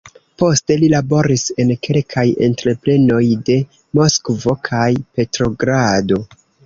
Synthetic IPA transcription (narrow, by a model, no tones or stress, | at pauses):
po̞ste̞lilabo̞ɾise̞nkʰe̞lkʰaje̞̰ntɾe̞ple̞no̞jde̞ | mo̞skvo̞kʰajpe̞tɾo̞ɡɾado̞